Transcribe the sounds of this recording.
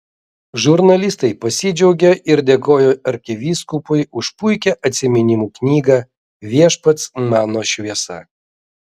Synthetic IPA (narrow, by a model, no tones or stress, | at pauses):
ʒʊɾnɐlʲɪst̪ɐɪpɐsʲɪd͡ʒʲɛʊɡʲeʔɪɾd̪ʲeːkoːjoːɐɾʲkʲɪʋʲiːskʊpʊɪʊʃpʊɪkʲɛʔɐt̪ʲsʲɪmʲɪnʲɪmuːknʲiːɡɐ | ʋʲiɛʃpɐt̪smɑːnoːʃʲʋʲiɛsɐ̰